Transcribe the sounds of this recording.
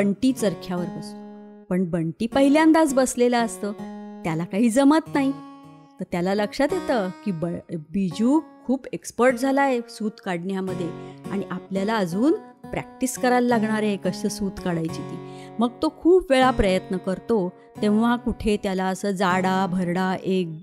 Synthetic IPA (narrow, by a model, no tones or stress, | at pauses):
bəɳʈiːt͡səɾkʰjaʋəɾkəsupəɳbəɳʈiːpəɦiljãnd̪ad͡zbəslelaəst̪əːt̪jalakaɦiːd͡zəmət̪naɦi | t̪əɾt̪jalaləkʂat̪jet̪əkiːbəbid͡ʑuːkʰuːbekspəɾʈ̚d͡zʱalaesuːt̪kaɽɳjaməd̪ʱːjeaɽ̃iʔapljalaəd͡zuːn | pɾæ̰k̚ʈiskəɾalːaɡɳaɾekəɕəsuːt̪kaɽajt͡ɕit̪iːməɡ̚t̪okʰuːpʋeɭapɾəjət̪nəkəɾt̪o | t̪ẽʋ̤akuʈʰet̪jalaəsəːd͡zaɽabʱəɾɽaʔek̚